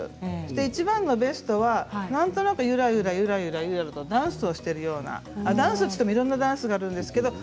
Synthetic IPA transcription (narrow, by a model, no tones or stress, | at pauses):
o̥t̪eit͡ɕibãnːo̞be̞sɨ̥t̪o̞βanãnt̪o̞nakɯ̟jɯ̟ɾajɯ̟ɾajɯ̟ɾajɯ̟ɾajɯɾaɾɯt̪o̞d̪ãɰ̃sɨoɕi̥t̪e̞ɾɯ̟jo̞ːna̰ad̪ãɰ̃sɨot͡ɕi̥t̪emoiɾõnːad̪ãsɨɡaːɾɯ̟̃nd̪e̞sɨ̥ke̞d̪o